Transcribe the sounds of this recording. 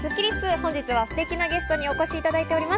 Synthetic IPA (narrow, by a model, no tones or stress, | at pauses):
sɨkʲiɾʲisɨhõ̞ɲ̟d͡ʑit͡sɨβasɨ̥t̪e̞kʲinaɡʲe̞sɨ̥t̪o̞ɲ̟io̞ko̞ɕiːt̪ad̪ait̪e̞o̞ɾʲimas